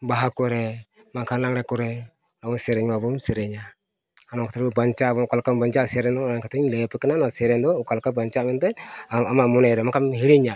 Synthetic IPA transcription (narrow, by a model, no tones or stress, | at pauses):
baɦakuɾɛ | makanlaŋɾɛkuɾɛ | lamuseɾɛɲmabumsiɾeɲa | anaŋkataɾbubaɲt͡ʃabkalkambaɲt͡ʃasɛɾɛnɔnaŋkataɲlepɛkɪnanasɛɾɛndɔkalkabaɲt͡ʃamɛntɛamamunɛɾɛmakamɦiɾiɲa